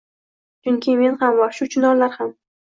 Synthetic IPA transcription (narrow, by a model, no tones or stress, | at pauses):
t͡ʃʊŋkʲʰɪme̞nhamvaʃʊt͡ʃʰʊnɒɾlaɾham